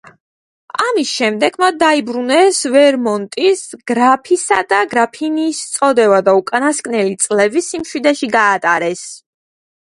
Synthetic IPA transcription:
amisʃɛmd̪ɛɡmat̪̚ʰd̪aibɾunɛsvɛɾmɔnt̪ʼisɡ̥ɾapʰisad̪aɡɾapʰiniːst̪sʼɔd̪ɛvad̪aukʼanaskʼnɛlit̪sʼlɛbisimʃwid̪ɛʃiɡaːt̪ʼaɾɛs

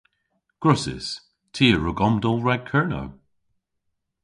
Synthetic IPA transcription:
ɡ̥ɹʊsɪ̰s | tʰiːəɹʊɡɔmdɔlˠɹaɡ̚kʰɜɹnə̰w

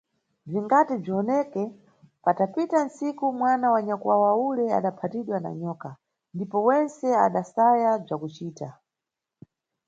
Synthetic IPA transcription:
b͡ʐiŋɡatib͡ʐiɔnɛkɛ | patapitan̩sikumwanawaɲakwawaulɛa̰ɗapʰatiɗwana̰ɲɔːka | ndipɔwɛnt͡sɛa̰ɗasajab͡ʐakut͡ʃiːta

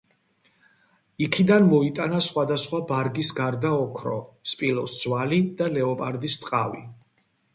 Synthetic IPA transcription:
ikʰid̪anmɔit̪ʼanasχwad̪asχwabaɾɡisɡaɾd̪aɔkʰɾɔ̰spʼilɔsd̪z̥walid̪̥alɛɔpʼaɾd̪ist̪ʼqʼavḭ

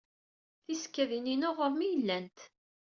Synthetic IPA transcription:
θisə̥kːæðininʊʁəɾmijəlːænt̪

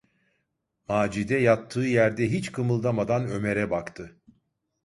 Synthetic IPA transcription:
maːd͡ʒid̪ɛjat̪ʰːɯːjæɾd̪ɛɦit͡ʃkʰɯmɯlˠd̪amad̪anø̞meɾɛbakt̪ʰɯ

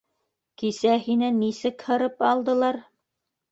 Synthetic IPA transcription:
kisæhinænːisɘkhɤ̆ɾɤpɑlˠd̪ɤ̆lˠɑɾ

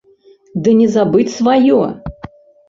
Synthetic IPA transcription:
d̪ɨnʲɛzabɨt͡sʲsvajɔ

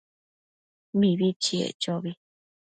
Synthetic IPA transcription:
mĩβit͡ʃiḛt͡ʃoβi

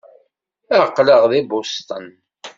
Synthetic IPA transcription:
æqːləʁðibʊst̪ˤən

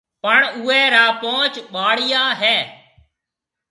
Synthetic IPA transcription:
pəɳʊːɛːɾaːpõːt͡ʃɓaːɽɪjaːɦɛː

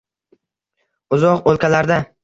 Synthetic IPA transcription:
ʊzɒqolˠkʲalaɾd̪a

